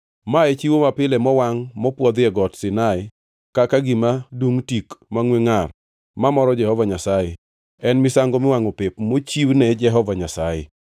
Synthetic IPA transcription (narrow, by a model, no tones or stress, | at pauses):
maɛt͡ʃiwomapɪlɛmɔwaŋmɔpwɔd̪ɛɡɔtsɪnaɪ | kakaɡɪmaduŋtikmaŋweŋar | mamɔɾɔd͡ʒɛhɔvaɲasaje | ɛnmɪsaŋɡomɪwaŋopɪpmot͡ʃiwnɛd͡ʒɛɦɔvaɲasajɪ̰